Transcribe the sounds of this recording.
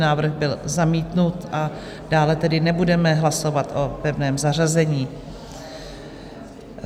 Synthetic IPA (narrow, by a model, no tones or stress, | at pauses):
naːvr̩ɣbɪlzamiːt̪nut̪ʔa | daːlɛt̪ɛdɪnɛbudɛmɛɦlaso̞vat̪ʔo̞pɛvnɛːmzar̝azɛɲiː